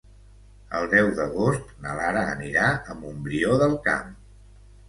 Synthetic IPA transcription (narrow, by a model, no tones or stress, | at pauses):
ə̰lˠd̪ɛwðəɣost̪̚nəlaɾəːniɾaəmumbɾioðəlˠka̰m